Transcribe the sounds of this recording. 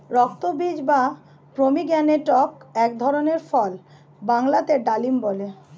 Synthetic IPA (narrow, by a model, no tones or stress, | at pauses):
ɾɔk̚t̪obid͡ʑba | pɾomiɡɛneʈɔkɛk̚d̪ʱɔɾoneɾfɔl | baŋlat̪eɖalimbole